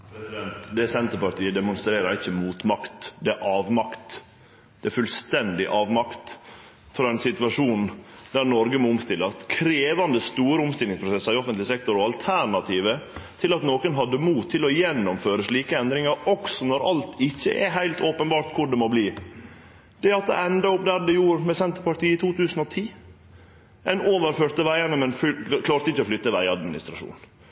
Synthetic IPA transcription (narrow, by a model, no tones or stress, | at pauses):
pʰɾɛsɪd̪ɛnt̪d̪ɛsɛnt̪əɾpɑʈ̪iːəd̪ɛmʊnst̪ɾeːɾɑɾɪçːəmuːt̪mɑkt̪d̪ɛæɾʔɑːʋmɑkt̪ | d̪̥ɛæɾfʉlst̪ɛnd̪ɪʔɑːʋmɑkt̪ | fɾɑːɛnsɪt̪ʉɑʂuːnd̪̥æɾnɔɾɡəmɔʊmst̪ɪlːɑskʰɾeːʋɑnd̪əst̪uːɾəʊmst̪ɪlɪŋspʰɾʊsɛsːəɾɪɔfənt̪lɪsɛkt̪ɔɾɔɑlt̪ʰæɾɳɑt̪ʰiːʋət̪ʰɪlɑt̪noːkənɦɑd̪ːəmuːt̪ʰːɪlɔjɛnːɔmføːɾəʂɭiːkəɛnd̪ɾɪŋɑɾɔksɔnɔɾʔɑlt̪ɪçːə̰ʔɛ̰ɦæɪlt̪ʰoːpənbɑːɾʈ̪kʰʊɖɛmɔbliː | d̪̥ɛɑt̪̚d̪ɛ̰ɛnd̪ɑʊp̚d̪æɖɛjuːɾmɛsɛnt̪əɾpɑʈiːɪt̪ʰuːt̪ʰʉːsən̩ɔt̪ʰiː | ʔɛnoːʋəɾføːɾt̪əʋæɪənəmɛnfkʰlɑːɾt̪əɪçːəɔflʏt̪ːəʋæɪɑd̪mɪnɪ̰st̪ɾɑʂṵːn